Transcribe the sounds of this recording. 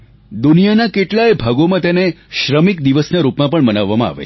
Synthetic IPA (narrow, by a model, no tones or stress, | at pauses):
d̪unijanakeʈlajbʱaɡomãt̪eneʃɾəmikd̪iʋəsnaɾupmãpəɳmənaʋːamãa̰ʋḛ